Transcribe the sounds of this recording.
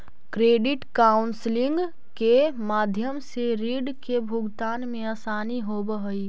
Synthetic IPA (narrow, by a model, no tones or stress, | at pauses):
kɾeɖiʈkaʊnsliŋɡ | kemad̪ʱjəmseɾiɖkebʱuɡt̪anmẽasaniɦobəɦəi